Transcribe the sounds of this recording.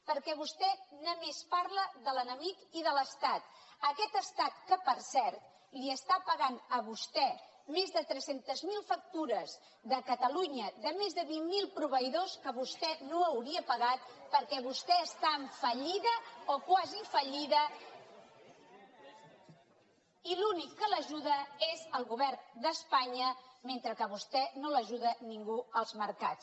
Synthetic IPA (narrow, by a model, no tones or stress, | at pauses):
pəɾkɛβust̪ɛnəmespaɾləðələnəmikiðələst̪at̪əkɛt̪əst̪at̪kəpəɾsɛɾt̪̚ | liəst̪apəɣanəβust̪ɛ | mezðət̪ɾɛsent̪əzmilˠfək̚t̪uɾəz | ðəkət̪əluɲəðəmezðəβiŋmːilˠpɾuβəiðoskəβust̪ɛnoəwɾiəpəɣat̪̚pəɾkɛβust̪ɛəst̪aəɱfəʎiðəokwazifəʎiðə | ilunikːələʒuðəezəlˠɣuβɛrnd̪əspaɲəment̪ɾəkəβust̪ɛnoləʒuðəniŋɡuəlˠzməɾka̰t͡s